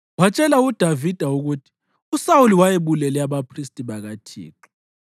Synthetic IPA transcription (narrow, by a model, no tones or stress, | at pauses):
wat͡ʃʼɛlaud̥ʱavid̥ʱauɣutʰi̥ | usauliwajeβulɛlɛaβapʰristʼiβaɣatʰḭːǁi̥